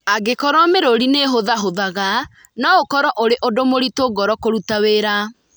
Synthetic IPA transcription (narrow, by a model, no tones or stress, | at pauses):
aɡekɔɾwɔmeɾoɾineɦoðaɦoðaɣa | naokɔɾɔʔoɾeʔodomoɾitoɡɔɾɔkoɾutaweɾa